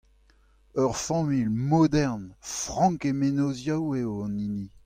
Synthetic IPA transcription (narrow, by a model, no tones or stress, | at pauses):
œʁfɑ̃milmod̪ɛʁnfʁɑ̃ŋkemenozjaweoɑ̃nini